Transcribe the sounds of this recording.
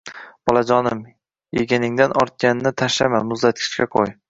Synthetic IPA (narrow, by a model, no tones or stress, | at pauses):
b̥ɒlˠad͡ʒɒnɪm | jeɡʲanɪŋd̪anʔɒɾt̪̚kʲanɪnɪt̪ʰaʃlamamʊzd̪at̪̚kʲʰɪ̥t͡ʃkʲaqʰo̰j